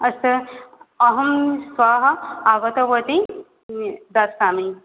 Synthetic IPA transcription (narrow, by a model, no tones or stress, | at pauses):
ɐst̪ɐɐɦɐmswaːɦɐaːʋɐt̪ɐʋɐt̪i | d̪aaːmi